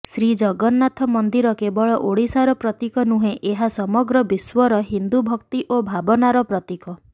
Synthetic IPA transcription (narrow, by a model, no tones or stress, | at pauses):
sɾid͡ʒɔɡɔnːat̪ʰɔmɔnd̪iɾɔkebɔɭɔʔoɽisaɾɔpɾɔt̪ikɔnuɦẽʔeɦasɔmɔɡɾɔbiswɔɾɔɦind̪ubʱɔkt̪iʔobʱabɔnaɾɔpɾɔt̪ikɔ